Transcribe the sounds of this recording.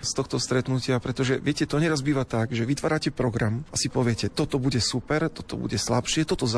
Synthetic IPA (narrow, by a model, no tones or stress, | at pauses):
st̪ɔxt̪ɔst̪ɾɛt̪nucɪapɾɛt̪ɔʒɛʋɪɛcɛt̪ɔɲɛɾazbiːʋat̪aɡʒɛʋit̪ʋaːɾacɛpɾɔɡɾamʔasipɔʋɪɛcɛt̪ɔt̪ɔbuɟɛsupɛɾt̪ɔ̥t̪ɔ̰bṵɟɛslapʃɪɛt̪ɔt̪ɔz